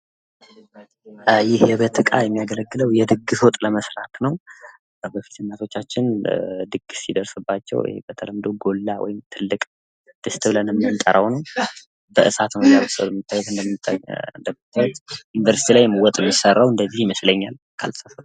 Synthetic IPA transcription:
jɪhjɛbət̪ʰɨkʼajɛmːijaɡələɡːɨləwjɛd̪ɨɡɨsot̪ʼləməsɾat̪nəw | bəfi̥t̪ʰɨnːat̪ʰo̞t͡ʃːat͡ʃːɪnd̪ɨɡːɨsid̪əɾsɨbːat͡ʃːɛ̰w̰ḛbət̪ʰələmd̪oɡo̞lːawɔ̰jɪmt̪ʰɨlːɨkʼ | d̪̥ɨst̪ʼbɨlənɨmːɨnt̪ʼəɾʔəwnəw | bəʔɨsat̪nəwzabɨsʼə̰wləmɨt̪ːawjɛt̪ɨnd̪əmt̪ʼːə̰nd̪əmːt̪ːɛt̪junivəɾsi̥t̪ʰilajmwɔt̪ʼjɛmjɪsərːawɨnd̪əzːihjɪməsləɲːal | kʰa̰lsafə

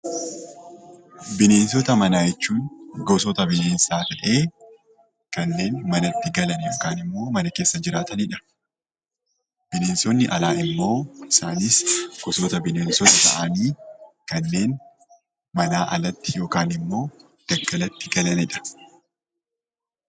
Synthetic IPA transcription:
bɪne̞ːnsɔt̪ɐmɐnaːjɛt͡ʃːuːnɡɔs̬ɔt̪ɐbɪneːnsaːt̪ɐᶑe̞ː | kɐnːe̞ːnmɐnɐt̪ːɪɡɐlɐnɛjo̞ːkaːnɪmːo̞ːmɐnɐke̞ːsːɐd͡ʒɪɾaːt̪ɐniᶑɐ̥ | b̥ɪneːnsɔnːɪʔɐ̰laːɪmːo̞ːɪsaːniːsɡ̥ɔsɔt̪ɐbɪneːnsɔt̪ɐt̪ɐ̰ʔaniː | kɐnːe̞ːn | mɐnaːʔɐlɐt̪ːɪjo̞ːkaːnɪmːo̞ː | d̪̥ɐɡːɐlɐt̪ːɪɡɐlɐnɛᶑɐ̥

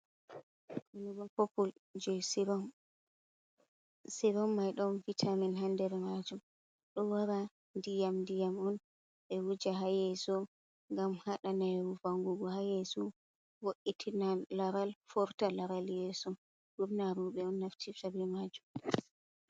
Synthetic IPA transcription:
kuuɡɔpɔpːuld͡ʒɛ | siɾɔmːajɗɔvitʰaminɦandɛɾɛmad͡ʒum | ɗɔwaɾa | ndijamndijamɔn | ɛwud͡ʒaɦajɛsɔ | ŋɡamhaɗanaɛwuvaŋɡuɡɔhajɛsɔ | woʔitʰinalaɾalfɔɾtalaɾaljɛsɔ | ɗuɾnaɾuɓɛɔnːaftʰisabimad͡ʒum

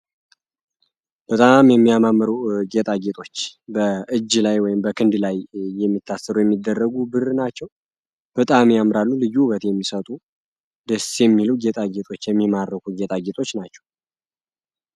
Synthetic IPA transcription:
b̥ət̪ʼamjɛmːijamamːɨɾuɡet̪ʼaɡet̪ʼo̞t͡ʃːbəɨd͡ʒːlajwɔjɪmbəkʰɨnd̪lajːɛmːit̪ʰːasːəɾujɛmːid̪ːərːəɡubɨrnat͡ʃːɛw | b̥ət̪ʼamjamɾalːulɨjuβət̪jɛmːisət̪ʼu | d̪əsjɛmːiluɡet̪ʼaɡe̞t̪ʼo̞t͡ʃːjɛmːimaɾːəkuɡet̪ʼaɡet̪ʼo̞t͡ʃːnat͡ʃːɛ̥w

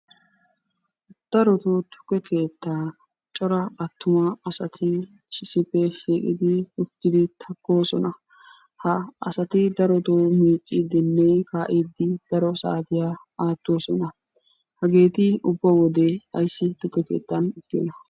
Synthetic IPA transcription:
d̪̥ɐɾɔt̪ot̪ʰʊ̥kːɛkʰe̞ːt̪ːa | t͡ʃʼɔɾɐɐt̪ːʊmɐɐsɐt̪ʰɪ | ʃɪsɪpːɛʃiːkʼɪd̪ɪʊt̪ːɪd̪ɪt̪ʰɐkːo̞ːsɔnɐ | hɐɐsɐt̪ɪd̪ɐɾɔt̪oːmiːt͡sʼːid̪ɪnːɛjkʰaːʔiːd̪ːɪd̪̥ɐɾɔsa̰ːt̪ɪjaː | aːt̪ːo̞ːsɔnɐ | hɐɡe̞ːt̪ɪʊbːɐwɔd̪eɐ̰jsːɪt̪ʊkːɛke̞̰ːt̪ːɐnɪt̪ːɪjɔnɐ

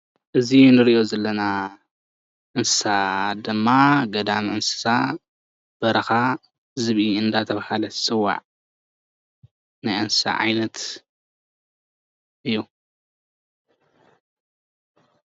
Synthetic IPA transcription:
ʔɨzinɨɾiʔo̞zɐlːɐna | ʔɨnsɨ̥sad̪ɨmːaɡɐd̪amiʔɨnsɨ̥sa | b̥ɐɾɐxa | zɨβʔiɨnd̪at̪ʰɐβahalɐsɨwːa̰ʕ | najʔɨnsɨ̥sa̰ʕa̰jnɐt̪ | ʔɨjːu

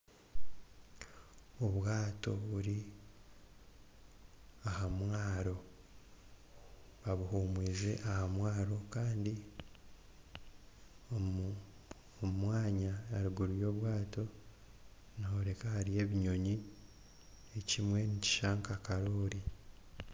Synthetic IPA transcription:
oβwaːto̞̰βuɾi | ahamwaːɾo̞ | βaβuhuːmwiːze̞ʔahamwaːɾo̞kaːndi | omumwaːɲaːɾuɡuɾujo̞ːβwaːto̞ | nahoɾe̞kahaɾije̞ːβiɲo̞ɲi | ecimwe̞nici̥ʃaŋkakaɾoːɾi

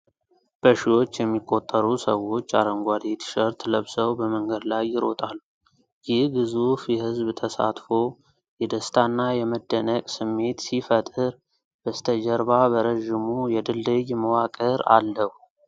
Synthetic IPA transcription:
b̥əʃiwo̞t͡ʃːjɛmːikʼːo̞t̪ʼːəɾusəwo̞t͡ʃːaɾəŋɡʷad̪et̪ʃəɾt̪ləβsəwbəməŋɡəd̪lajːɪɾo̞̰t̪ʼalːu | jɪhɡɨzofjɛhɨzbt̪ʰəsa̰t̪fo̞ | jɛd̪əst̪ʰanːajɛməd̪ːənəkʼsɨmːe̞t̪sifət̪ʼɨɾ | b̥əst̪ʰəd͡ʒəɾβabəɾəʒːɪmujɛd̪ɨlːəjməwakʼəɾa̰lːəhu

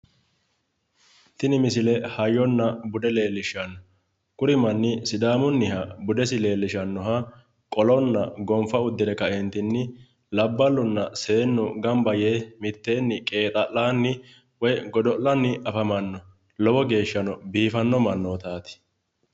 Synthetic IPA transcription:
t̪ɪnɪmɪsɪlɛhɐjːɔnːɐbʊd̪ɛle̞ːlːɪʃɐnːɔ | kʊɾɪmɐnːɪsɪd̪aːmʊnːɪhɐbʊd̪ɛsɪle̞ːlːɪʃɐnːɔɦɐ | kʼɔlɔnːɐ̰ɡɔmfɐʊd̪ːɪɾɛkɐʔɛnt̪ɪnːɪ | lɐbːɐlːʊnːɐse̞ːnːɔɡɐmbɐjemɪt̪ːe̞ːnːɪkʼe̞ːt̪ʼɐʔlaːnːɪ | wɔjɡɔd̪ɔʔɐnːɪʔɐfɐmɐnːɔ | lɔwɔɡe̞ːʃːɐnɔbiːfɐnːɔmɐnːɔt̪aːt̪ɪ̥

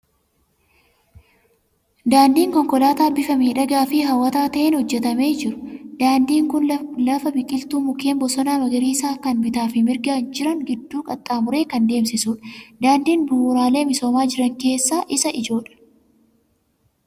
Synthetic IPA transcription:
d̪aːnd̪iːŋkɔŋkɔlaːt̪aːbɪfɐmiːᶑɐɡaːfɪɦɐwːɐt̪aːt̪ɐʔeːnhɔd͡ʒːɛt̪ɐme̞ːd͡ʒɪɾʊ̥d̪̥aːnd̪iːŋkʊnlɐfɐbɪkʼɪlt̪uːmʊke̞ːmbɔsɔnaːmɐɡɐɾiːsaːkɐnmɪt̪aːfɪmɪɾɡaːnd͡ʒɪɾɐŋɡɪd̪ːuːkʼɐt̪ʼːaːmʊɾe̞ːkɐnd̪e̞ːmsɪsuːᶑɐd̪aːnd̪iːnbʊhːɾaːle̞ːmɪso̞ːmaːd͡ʒɪɾɐŋke̞ːsːaːʔɪsɐʔɪd͡ʒo̞ːᶑɐ̥

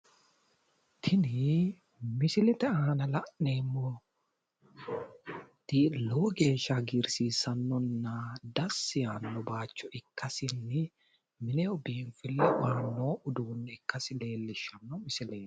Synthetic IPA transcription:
t̪ʰɪnɪ | mɪsɪlɛt̪ɛaːnɐlɐʔne̞ːmːɔ | t̪iloːɡe̞ːʃːɐɡɪɾsiːsɐnːɔnːɐd̪ɐsːɪjaːnːɔbaːt͡ʃːɔʔɪkːɐsɪnːɪ | mɪnɛɔbiːnfɪlːɛwaːnːoːʊd̪uːnːɪɪkːɐsɪle̞ːlːɪʃɐnːɔmɪsɪleː

